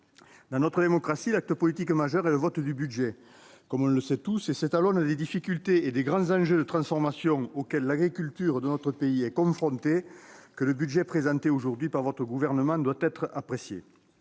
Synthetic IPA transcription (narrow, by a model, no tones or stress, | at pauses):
d̪ɑ̃nɔt̪χəd̪emɔkχasilak̚t̪əpɔlit̪ikmaʒœʁɛləvɔt̪d̪ybyd̪ʒɛ | kɔmɔ̃ləsɛt̪usesɛt̪alɔ̃nəd̪ed̪ifikʲylt̪eed̪eɡʁɑ̃zɑ̃ʒød̪ət̪χɑ̃sfɔʁmasjɔ̃okɛlːaɡʁikylt̪yʁd̪ənɔt̪χəpeiɛkɔ̃fχɔ̃nt̪ekələbyd̪ʒɛpχezɑ̃t̪eoʒuʁd̪ɥipaʁvɔt̪χəɡuvɛʁnəmɑ̃d̪wat̪ɛt̪χəapχesjḛ